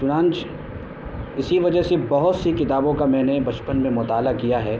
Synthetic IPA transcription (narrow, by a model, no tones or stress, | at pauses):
t͡ʃʊnãːnt͡ʃ | ɪsiʋɐd͡ʒəɦsebɐɦʊt̪sikɪt̪aːbõkamɛ̃ːnebɐt͡ʃpənmẽmʊt̪aːlakijaɦɛː